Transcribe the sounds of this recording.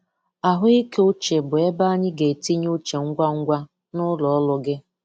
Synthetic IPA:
a˨ɦʊ˦i˦ke˦ʊ˦t͡ʃe˨bʊ˨e˦ba˦ɲɪ˦ɡe˨ti˦ɲ˦u˦t͡ʃe˨ŋ̩˦ɡʷa˦ŋ̩˦ɡʷa˦ | nʊ˦lɔ˨ɔ˦lʊ˨ɡɪ˦

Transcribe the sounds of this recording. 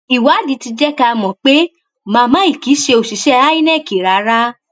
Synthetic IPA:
i˨wa˨˦di˨˦ti˧d͡ʒɛ˦ka˧mɔ̃˨k͡pe˦ | mãː˧mã˦i˦˨ki˨˦ʃe˧o˨ʃi˨ʃɛ˦˧a˦i˦nɛ̃˦˨ki˨ɾa˨˦ɾa˦

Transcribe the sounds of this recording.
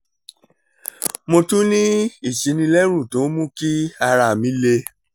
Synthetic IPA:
mo˧tũ˦nĩ˦i˦˨ʃi˨˦nĩ˧lɛ˦ɾ̃ũ˦˨tõ˨˦mũ˦ki˦a˧ɾa˧˨mĩ˨˦le˧

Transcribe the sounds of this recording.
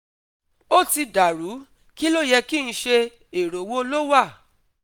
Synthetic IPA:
o˦˨ti˧da˨ɾu˨˦ | ki˦lo˦˨jɛ˧ki˦˨ñ̩˧ʃe˧ | e˨ɾo˨˦wo˦lo˦wa˦˨

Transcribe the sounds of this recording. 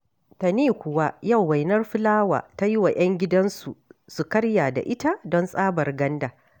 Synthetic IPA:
ta˨neː˦˨kʷʊ˨wa˦ja˦˨wːa˨jnɐ˦rɸɪ˦laː˦wa̰ː˨ta˦ji˦wa˨j̰ʔɐ˦ŋɡʲɪ˦dɐ˦nsu˨su˨kɐ˦ɽja˨da̰˨ʔɪ˦ta˦dɔ˦nsʼaː˦bɐ˨rɡɐ˦ndaː˨

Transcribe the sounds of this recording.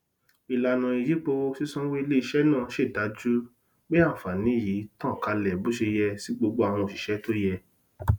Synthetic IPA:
i˨la˨nã˨i˨ji˨˦k͡po˧wsi˦sɔ̃˦we˦i˦˧le˦i˧ʃɛ˦nã˦˨ʃe˦˨da˨˦d͡ʒu˦ | ɡ͡be˦a˦˨fa˨nĩ˨˦˨ji˨˦tã˦˨ka˧lɛ˨bo˨˦ʃe˧jɛ˧si˨˦ɡ͡bo˧ɡ͡bo˧a˨w̃ɔ̃˧o˨ʃi˨ʃɛ˨˦to˦jɛ˧

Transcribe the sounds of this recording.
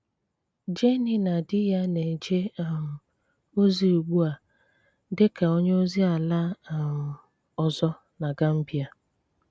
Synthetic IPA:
d͡ʒe˦ni˨na˨dɪ˦ja˦ne˨d͡ʒe˦a˦˨m̩˨ | o˦zi˦u˨ɡ͡bu˦a˨ | dɪ˦ka˨o˦ɲe˦o˦zi˦a˨la˦˨ | ɔ˨zɔ˦ | na˨ɡa˦m̩˦bi˦a˨

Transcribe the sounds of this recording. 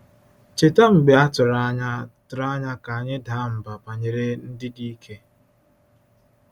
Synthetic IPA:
t͡ʃe˨ta˦ŋ͡m̩˨ɡ͡be˨a˦tʊ˨ɾa˦ɲa˦tʊ˨ɾa˦ɲa˦ka˨ɲɪ˦da˦m̩˨ba˨pa˨ɲe˨ɾe˦n̩˦dɪ˦di˦kʰe˦

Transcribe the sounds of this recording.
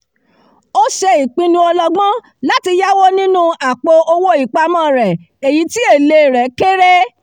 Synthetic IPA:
o˦ʃe˧i˨k͡pĩ˧nũ˧˦ɔ˧lɔ˧ɡ͡bɔ̃˦ | la˦ti˧ja˦wo˦nĩ˦nũ˦a˨k͡po˧ʔo˧wo˦i˦˨k͡pa˧mɔ̃˦˨ɾɛ˨ | e˨ji˨˦ti˦e˦˨le˧˨ɾɛ˨˦ke˦ɾe˦

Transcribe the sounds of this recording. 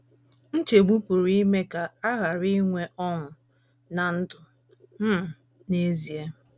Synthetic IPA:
n̩˦t͡ʃe˨ɡ͡bu˦pu˨ɾi˦me˦ka˨a˦ɣa˨ɾi˦ŋʷe˦ʔɔ˦ŋʷʊ˨ | na˨n̩˦dʊ˨ | m̩˦˨ | ne˦zi˨e˦

